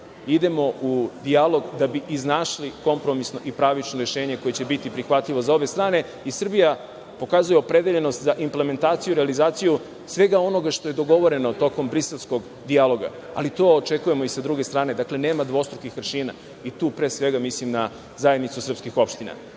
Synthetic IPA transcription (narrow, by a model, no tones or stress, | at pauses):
id̪e̞mo̞ud̪ialˠo̞ɡd̪abiʔiznaʃliko̞mpɾo̞misno̞ʔipɾaːʋit͡ʃnoɾeʃe̞ːɲe̞ko̞jet͡ɕe̞bit̪ipɾixʋat̪ʎiʋo̞zao̞be̞st̪ɾaːne̞ | isr̩bija | po̞kazuje̞opɾe̞d̪eʎe̞no̞st̪zaʔimple̞me̞nt̪aːt̪sijuɾealizaːt̪siju | sʋe̞ɡao̞no̞ɡaʃt̪o̞je̞d̪o̞ɡo̞ʋo̞ɾe̞no̞t̪o̞ko̞mbɾise̞lˠsko̞ɡ | d̪ialˠo̞ɡa̰ | a̰lit̪o̞ːot͡ʃekuje̞mo̞isad̪ɾuɡe̞st̪ɾaːne̞d̪akle̞ne̞ːmad̪ʋo̞st̪ɾukixʋr̩ʃiːna̰ | it̪uːpɾe̞ːsʋe̞ɡamislimna | zajed̪nit̪susr̩pskixo̞pʃt̪ina̰